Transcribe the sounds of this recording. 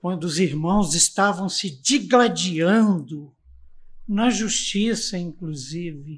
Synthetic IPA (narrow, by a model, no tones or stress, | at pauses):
kwɐ̃nd̪ʊːziɾmɐ̃w̃zɪst̪avɐ̃w̃sɪd͡ʒiɡlad͡ʒiɐ̃nd̪ʊ | nɐʒust͡ʃisɐĩŋkluzivɪ